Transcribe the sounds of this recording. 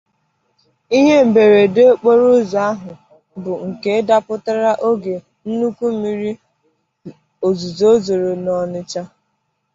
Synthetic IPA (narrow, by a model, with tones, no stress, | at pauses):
i˦ɦe˦m̩˨be˨ɾe˨de˦k͡po˦ɾo˦za˨˦a˦ɦʊ˨ | bʊ˨ŋ̩˨ke˨˦da˦pʊ˦ta˦ɾa˦ʔo˦ɡe˨ | n̩˦nu˦ku˦mi˦ɾi˦ | o˨zu˨zo˦zo˨ɾo˨nɔ˨nɪ˦t͡ʃa˦